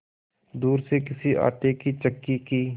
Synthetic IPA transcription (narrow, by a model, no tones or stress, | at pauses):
d̪uːɾsekɪsiʔa̰ːt̪ekit͡ʃəkːikiː